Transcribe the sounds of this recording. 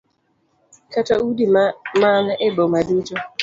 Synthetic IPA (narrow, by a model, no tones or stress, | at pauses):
kataudimmanebomadut͡ʃo